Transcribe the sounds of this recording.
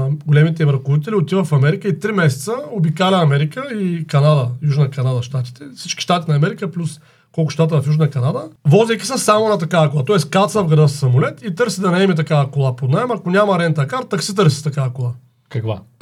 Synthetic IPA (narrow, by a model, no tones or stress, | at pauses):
ɡolɛmit̪̬ɛmɾɐkod̪it̪ɛlʲiot̪ivəfɐmɛɾikəit̪ɾimɛsɛ̥t̪səobikalɛnɐmɛɾikəikɐnad̪əjuʒnəkɐnad̪ɐʃt̪at̪i̥t̪ɛfsit͡ʃki̥ʃt̪at̪inɐːmɛɾikəplʲus | kɔlˠkʊ̥ʃt̪at̪̬əvɐfjuʒnəkɐnad̪əvɔzejkʲi̥səsamonat̪ɐkavɐkolˠat̪ɔɛskat̪səvɡɾɐd̪əssɐmʊlɛt̪it̪ɤɾsid̪ɐnɐɛmit̪ɐkavɐkolˠapod̪naɛmɐkonʲamɐɾɛnt̪ɐkaɾt̪aksit̪ɤɾsi̥t̪ɐkavɐkolˠa | kɐkva̰